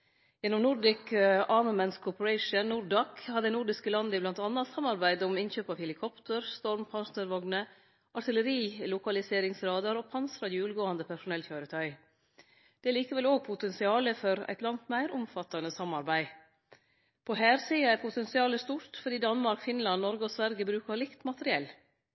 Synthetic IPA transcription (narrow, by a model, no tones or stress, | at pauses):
jɛnːɔmnʊɾɖɪkəɑːməmɛnskʰɔpəɾæɪʂənnʊɾɖɑːkhɑd̪ənʊɖɪskəlɑnd̪əɪblɑnt̪ɑnːɑt̪sɑmɑɾbæɪd̪ɔmɪnçøːpɑːʋhɛlɪkʰɔpt̪ʰəɾst̪ɔɾmpʰɑnsnəɾʋɑɡnə | ʔɑt̪ɪləɾiːlʊkɑlɪseːɾɪŋsɾɑːd̪ɑɾoːpʰɑnsɾɑjʉːlɡoːɑnd̪əpʰæʂʊnɛlçøːɾət̪ʰœʏ | d̪̥ɛliːkəʋɛloːɡ̚pʰʊt̪ɛnsɪɑːləfɔɾæ̰ɪt̪lɑŋt̪mæɪɾʊmfɑt̪ɑnəsɑmːɑɾbæɪ | pʰɔɦæːɾsiːɑæɾpʰʊt̪ɛnsɪɑːləst̪uɾt̪fɔɖiːd̪ɑnmɑɾkfɪnlɑnnɔɾɡəɔsʋæɾɡəbɾʉːkɑɾlɪkt̪mɑt̪əɾɪɛl